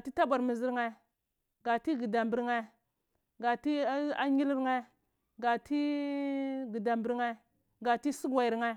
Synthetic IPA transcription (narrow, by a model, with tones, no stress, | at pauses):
ti˦ta˦bʷa˨ɾmi˨zi˦ɾŋa˦ | ɡa˨ti˦ɡi˨da˨mbi˦ɾŋa˦ | ɡa˨ti˦a˦ɲi˦li˦ɾŋa˦ | ɡa˨ti˦ | ɡi˨da˨mbi˦ɾŋa˦ | ɡa˨ti˦si˦ɡwa˨i˨ɾŋa˦